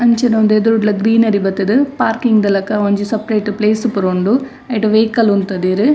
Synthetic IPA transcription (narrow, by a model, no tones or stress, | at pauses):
ɐɲt͡ʃɐnɐʋɐnd̪ed̪uɾuʈlɐɡɾiːnɐɾibɐt̪ːid̪ɯpaːɾkiŋɡd̪ɐlɐkːɐoɲd͡ʒusɐpɾeːʈːupleːsɯpuɾoɳɖu | ɐjʈɐʋeːkɐlunt̪ɐd̪eɾɯ